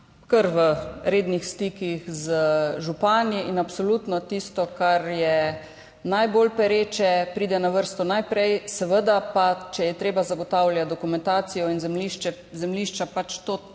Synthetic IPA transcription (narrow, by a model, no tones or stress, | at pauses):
kəɾʋəɾeːd̪nixst̪iːkixzəʒupaːniʔinapsɔlut̪nɔt̪ist̪ɔkaɾjɛ | najboːlpɛɾeːt͡ʃɛpɾiːd̪ɛnaʋəɾst̪ɔnajpɾɛjsɛʋəd̪apat͡ʃɛjɛt̪ɾeːbazaɡɔt̪aːwlʲjad̪ɔkumɛnt̪aːsijɔinzɛmliʃt͡ʃɛ | zɛmliːʃt͡ʃapat͡ʃt̪oː